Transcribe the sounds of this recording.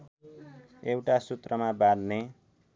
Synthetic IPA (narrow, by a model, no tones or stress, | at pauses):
ewʈasut̪rʌmabanne